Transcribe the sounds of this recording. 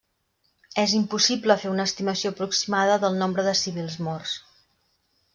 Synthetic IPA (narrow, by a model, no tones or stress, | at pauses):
ɛzimpusipləfeunəːst̪iməsioəpɾuksimaðəðəlˠnombɾəðəsiβ̞ilˠzmɔrs